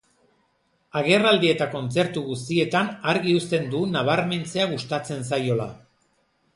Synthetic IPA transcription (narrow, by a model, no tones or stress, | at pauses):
aɣ̞e̞rald̪ie̞t̪ako̞nt͡se̞ɾt̪uɣust̪ie̞t̪anaɾɣiust̪e̞nd̪unaβ̞aɾme̞nt͡se̞aɣ̞ust̪at͡se̞ns̬ajo̞la̰